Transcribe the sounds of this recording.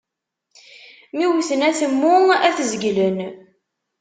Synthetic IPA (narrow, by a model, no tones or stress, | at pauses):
miwθənæθəmːʊæθəzɡlən